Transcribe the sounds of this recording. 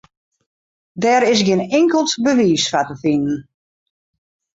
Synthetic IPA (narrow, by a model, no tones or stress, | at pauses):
dɛːɾɪs̬ɡɪnɪŋkəlˠtbəʋiːsfatəfinən̩